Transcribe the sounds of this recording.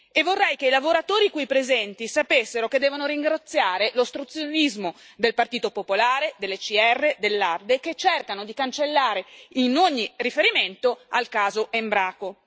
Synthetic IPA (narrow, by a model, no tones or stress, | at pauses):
evːorːɛjkeilavoɾat̪oːɾikujpɾezɛnt̪isapesːeɾoked̪ːɛːvonoɾiŋɡɾat̪sːjaːɾelost̪ɾut̪sjonizmo | d̪elpart̪iːt̪opopolaːɾed̪elːet͡ʃiɛrːed̪elːard̪eket͡ʃːerkanod̪ikant͡ʃelːaːɾeinoɲːirifeɾiment̪oalkaːzoʔembɾaːko